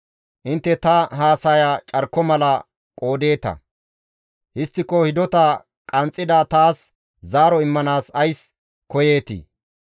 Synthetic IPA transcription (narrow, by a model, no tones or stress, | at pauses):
ʔɪnt̪ːɛt̪ɐɦaːsɐjat͡ʃʼɐɾkːɔmɐlɐ | kʼo̞ːd̪e̞ːt̪ɐ̰ | hɪst̪ːɪkːɔhɪd̪ɔt̪ɐ | kʼɐnt͡sʼːɪd̪at̪aːs | zaːɾɔɪmːɐnaːsɐjs | kɔjeːt̪ḭː